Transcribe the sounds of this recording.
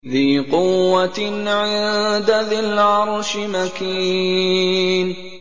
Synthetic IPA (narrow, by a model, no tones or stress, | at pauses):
ðiːqʊwːat̪nʕɪnd̪aðɪlʕɑɾˤʃmakiː | n